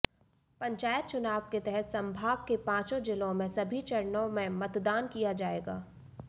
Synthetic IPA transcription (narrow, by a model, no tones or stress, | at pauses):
pɐ̃ɲt͡ʃaːjət̪̚t͡ʃʊnaːʋket̪ɛɦɛt̪sɐ̃mbʱaːɡ̚kepãːt͡ʃõd͡ʒɪlõmẽsɐbʱit͡ʃɐɾnõmẽmɐt̪d̪aːnkijad͡ʒaːeːɡaː